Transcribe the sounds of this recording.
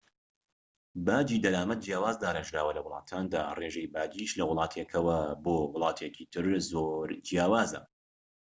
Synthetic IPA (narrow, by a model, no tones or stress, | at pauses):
baːd͡ʒiːd̪ɐlaːmɐt̪̚d͡ʒjaːwaːzd̪aːɾɐʒɾaːwɐlɐwʊlˠɑ̰ːt̪ʰaːnd̪a̰ːreʒejbaːd͡ʒiʃlɐwʊlˠɑːt̪ʰekʰɐwɐboːwʊlˠɑːt̪ʰekʰit̪ʰɨɾzoɾd͡ʒjaːwaːzɐ̰